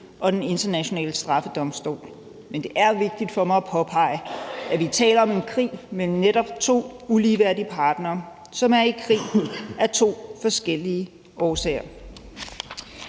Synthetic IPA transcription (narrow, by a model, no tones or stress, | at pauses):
ʔɒ̽d̥ene̝nd̥ɐnæɕo̝nɛ̰ːləsd̥ʁɑ̈fəd̥ɒ̽msd̥o̝̰ːl | mend̥e̝ʔæɐʋe̝ɡ̥̚d̥id̥fɒ̽mɑ̈ɪæpʰɒ̽pʰɑ̈ɪ̰əæʋit͡sʰɛ̰ːlɐɒ̽me̝nkʰʁḭːmem̩neɾɒ̽b̥t͡sʰo̝̰ːuliːʋæɐ̰dipʰɑ̈ːd̥nɐː | sɒ̽mæɐikʰʁḭːæɐt͡sʰo̝̰ːfɒ̽sɡ̥el̰iə | ʔɒːsɛ̰ːɐ